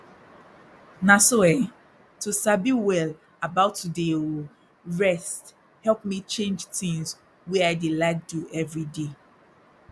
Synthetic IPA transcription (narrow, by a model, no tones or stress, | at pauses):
nasoɛ | tusabiwɛl | abaʊtːudewi | ɹɛst | hɛlp̚mit͡ʃẽnd͡ʒtĩŋs | wiaɪdilaɪk̚duɛvɹide